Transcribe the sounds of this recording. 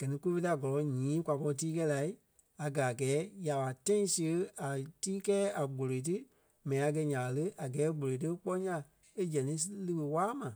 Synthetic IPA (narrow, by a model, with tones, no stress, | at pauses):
ɡ̥ɜ˨nĩ˧˦ku˦fe˦˧ta˧˨ɡɔ˨lɔ˨˦ɲĩː˨˦kʷwʷa˨pɔ˧lt̬iː˦k̬ɛ˧˦la˨i˦ | a˨ɡa˨a˨ɡɛː˨˦ja˨ɓa˨tã˦ĩ˨˦si˧ə˧˦a˨tiː˦kɛː˦a˨ɡ͡bo˨lo˨i˨t̬ɨ˦ | mɛ̃˨ĩ˨a˨˧ɡ̬ɛ˧ɲã˨a˨lə˦a˨ɡɛː˨˦ɡ͡bo˨lo˨t̬ɨ˦k͡pɔ˦ɲã˧ | e˦d͡ʒɛ̃˨nĩ˨˦slɨ˧wə˧˨waː˦mã˨